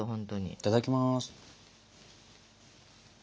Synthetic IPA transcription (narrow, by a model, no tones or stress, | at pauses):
oɦõnt̪oɲḭi̥t̪ad̪akʲimasɨ̥